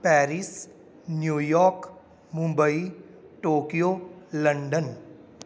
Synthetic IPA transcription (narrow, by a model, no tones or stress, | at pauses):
pɛːɾis | njuːjɔːɾk | mũmbəi | ʈoːkijoləɳɖən